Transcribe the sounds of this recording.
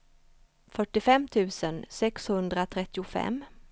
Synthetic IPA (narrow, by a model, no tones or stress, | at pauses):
fœʈːɪfɛmt̪ʰʉ̟ːsənsɛkshɵnd̪ɾat̪ʰɾɛt̪ːɪʊfɛ̰mː